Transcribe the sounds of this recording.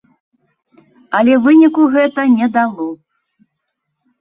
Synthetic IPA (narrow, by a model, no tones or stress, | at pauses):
ɐlʲɛvɨnʲikuɣɛt̪ɐnʲɛd̪alˠɔ